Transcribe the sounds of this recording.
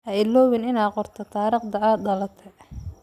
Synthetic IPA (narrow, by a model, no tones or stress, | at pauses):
ʔɐɪlɔːwɪnɪnaːqɔrt̪ʰɐt̪ʰaːɾɪːqd̪ɐʕaːd̪ɐlɐt̪ʰɛ